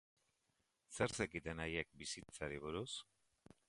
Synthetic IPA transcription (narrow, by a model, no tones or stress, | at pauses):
seɾsekit̪enajek̚bisit͡saɾiβ̞uɾus